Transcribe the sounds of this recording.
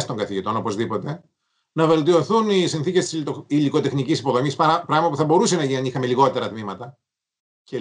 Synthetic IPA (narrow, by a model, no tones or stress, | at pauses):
st̪oŋɡɐθiʝit̪o̞no̞po̞zðipo̞t̪e̞ | nɐve̞lt̪io̞θunisinθicest̪isiliko̞t̪e̞xnicisipo̞ðo̞misppɾɐɣmɐpuθɐbo̞ɾusenɐiɐnixɐme̞liɣot̪e̞ɾɐt̪mimɐt̪ɐ | ce